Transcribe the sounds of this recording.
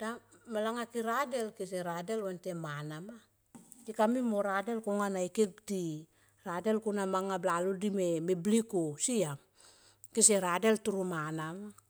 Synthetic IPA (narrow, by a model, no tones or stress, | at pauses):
d̥amalaŋakiɾade̞lkis̬eɾadelwantemanama | tikamimoɾade̞lkoŋanaikeɡdi | ɾade̞lkonamaŋablaludimemeblikosiam | kiseɾade̞ltuɾumanama